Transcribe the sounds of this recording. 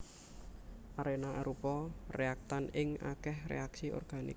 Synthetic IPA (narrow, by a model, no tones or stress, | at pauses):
ʔaɾenaʔaɾupɔreak̚t̪anɪŋa̰kɛhrḛaksiʔɔ̰rɡ̥a̤nḭk̚